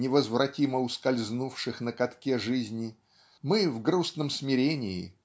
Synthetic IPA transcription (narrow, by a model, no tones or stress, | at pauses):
nʲɪvəzvrɐtʲiməʊskɐlʲznufʂɨxnəkɐt̪kʲeʐɨzʲnʲɪ | mɨvɡɾusnəmsmʲɪɾʲenʲɪɪ